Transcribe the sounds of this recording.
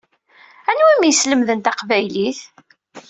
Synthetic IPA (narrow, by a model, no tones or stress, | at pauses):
ænwimjəsləmðənt̪ɑqvæjliθ